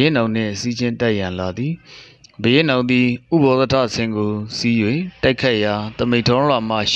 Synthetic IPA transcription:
ɪnãʊ̃n̥ɪ̰̃sid͡ʑɪ̃ntaʔjãnlad̪ði | bəjḛnãnd̪ðiʔṵbɔt̪ətʰä̰sʰɪ̃ŋɡosijwẽtaɪkʰaɪʔjat̪əmẽɪ̃ntʰɔ̃lwam̥a̰ʃ

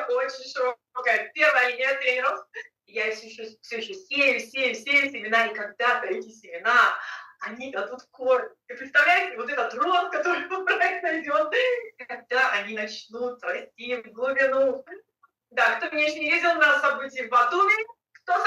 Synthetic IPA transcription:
o̞t͡ɕɪnʲʂɨɾokpɐɡajt̪̚pʲervəɐlʲɪnʲɪɛt̪ɾʲenʲɪɾof | jafsʲoɪɕofsʲoɪɕːosʲejʊsʲejʊfsʲesʲɪmʲɪnaikɐɡ̚d̪at̪ɐɛtʲɪsʲɪmʲɪnaɐnʲid̪ɐd̪ut̪koɾʲ | ɨpɾʲɪt̪st̪ɐvlʲæjɪt̪ʲvot̪ɛt̪ət̪rok̪kɐt̪o̞ɾɨbɨlˠpɾəɛknɐvʲɪdʲonkɐɡ̚d̪aʔɐnʲinɐt͡ɕnut̪̚ɾɐsʲtʲivɡlˠʊbʲɪnu | d̪akt̪omʲɪnʲeɪɕonʲɪjʲezdʲɪlˠnɐsɐbɨtʲɪːɪvɐt̪umʲɪ | kt̪os

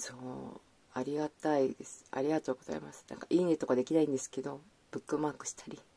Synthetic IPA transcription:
soː | aɾʲiɡat̪aid̪e̞sɨ̥a̰ɾʲiɡat̪o̞ːɡo̞z̥a̰ḭmasɨ̥nã̰ŋkaʔiːnet̪ːokad̪e̞kʲinaĩnd̪e̞sɨ̥ke̞d̪o̞ | b̥ɯ̟kːɯ̟maːkɯ̟̥ɕi̥t̪ʰḁɾʲi

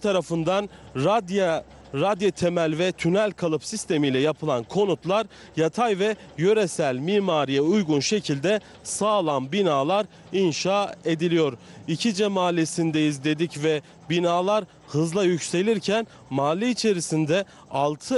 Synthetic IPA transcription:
t̪ʰaɾafɯnd̪and̪a | ɾad̪jat̪ʰemælʲvɛt̪ʰynælʲkʰalˠɯpsist̪ʰe̞mijlʲɛjapʰɯlˠankʰo̞nut̪lˠaɾ | jat̪ʰajvɛ | jø̞ɾesælʲmiːmaːɾijɛujɡunʃe̞cʰilʲd̪ɛ | saːlˠanbinaːlˠaɾ | inʃaːe̞d̪ilʲijo̞ɾicʰid͡ʒɛmaːlʲesind̪ɛizlʲe̞d̪icvɛ | binaːlˠaɾ | hɯzlˠajycse̞lʲiɾcʰæn | maːlʲːiit͡ʃʰe̞ɾisind̪ɛ | alˠt̪ʰɯ

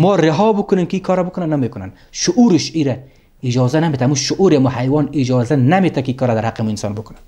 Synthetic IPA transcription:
mɔːɾɪɦɔbʊkʊnemkɪikʰɔɾabʊkʊnanːamekʊnan | ʃʊʔuɾɪʃiɾa | ɪd͡ʒɔzanamet̪amuʃʊʔuɾeamuhajwɔnɪd͡ʒɔzanamet̪ʰakiikɔɾad̪aɾhaqemuinsɔ̰ːnbʊkʊnan

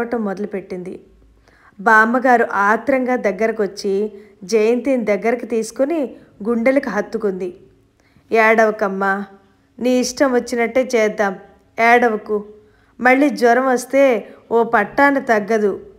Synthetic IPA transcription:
ɐʈɐmːɔd̪ɐlupe̞ʈːind̪ḭ | baːmɐɡaːɾuʔaːt̪ɾɐŋɡaːd̪ɐɡːɐɾɐkʋɐt͡ʃːid͡ʒɐjɐnt̪iːnid̪ɐɡːɐɾɐkit̪iːsu̥koni | ɡuɳɖɐlɐkuɦɐt̪ːukond̪i | ɛːɽɐʋɐkɐmːaː | niːiʂʈɐmʋɐt͡ʃːinɐʈːeːt͡ʃɛːd̪ːaːm | ɛːɽɐʋɐku | mɐɭːiːd͡ʒʋɐɾɐmʋɐst̪e̞ːoːpɐʈːaːnɐt̪ɐɡːɐd̪u

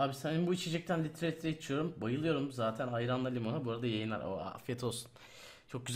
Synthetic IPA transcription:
aːbisæninbuit͡ʃʰe̞d͡ʒɛc̚t̪ʰænlʲit̪ʰɾelʲit̪ɾejt͡ʃʰijo̞ɾumbajɯlˠɯjo̞ɾumzaːt̪ʰænajɾanlˠalʲimo̞nabuɾad̪ajejinlʲæ̰ɾo̰a̰fjet̪ʰo̞lˠsun | t͡ʃʰo̞k̚ɟyz

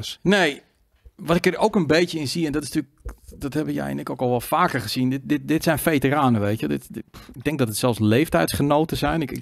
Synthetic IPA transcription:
nej | ʋɔtɪkərowkənbejtjəɪnziɛndɔtɪstyk̚d̥ɔthɛbəjɛ̰j̰nɪkowkɔlˠʋɔlˠfaːkərχəz̥indɪtdɪtdɪtsɛjnfejtəraːnəʋejtjədɪtɪɡ̚dɛŋɡ̚dɔtətsɛlˠslejftɛjtsχənoːtəzɛjnɪkɪ

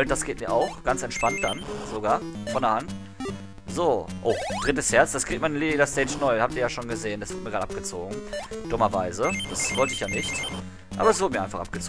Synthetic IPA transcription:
ld̥asɡ̥eːt̚miːɐʔaʊxɡ̥ant͡sɛntʃpant̚d̥anz̥oɡaːɐfɔndɐhant | z̥oːʔoːd̥ʁɪtəshɛɐt͡sd̥askʁ̥iːkt̚manliːdaɐstɛɪt͡ʃnɔʏhap̚tiːɐjaːʃoːnɡəzeːəndasv̥ʊɐt̚əmiːɡʁaːə̥ap̚ɡ̥ət͡soːɡŋ̩d̥ʊmɐvaɪzəd̥asv̥ɔltəɪçjaːnɪçt | ʔa̰ːbɐɛs̬vʊɐdəmiɐaɪfaχʔa̰pɡ̥ət͡soː

